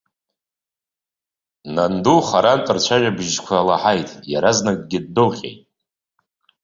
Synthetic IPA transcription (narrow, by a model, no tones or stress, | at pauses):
nanduχaɾantʼɨrt͡ʃʷʰaʒᶣabɨʒkʷʰalaħajtʼjaɾaznakʼɡʲɪdːolχʲḛjtʼ